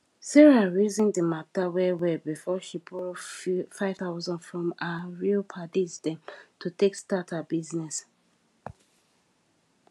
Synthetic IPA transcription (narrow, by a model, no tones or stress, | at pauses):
sɛɹaɹuzĩŋdəmatawɛwɛbifɔʃipʰɔlfaɪvθaʊzɔ̃ndfɹɔ̃maɹilpʰadisdɛ̃mtʰutʰekstatʰabiznɛs